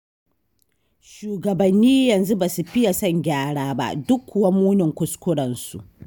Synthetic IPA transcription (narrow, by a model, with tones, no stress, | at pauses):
ʃuː˨ɡɐ˨bɐ˨nːiː˦jɐ˨nzu˦ba˨su˨ɸɪ˦ja˨sɐ˦ŋɡʲaː˦ɽaː˦ba̰˦˨ʔdʊ˦kʰːʊ˨wɐ˦muː˦nɪ˨ŋkʷʊ˨˦skʷʊ˦ɽɐ˨nsṵ˨ʔ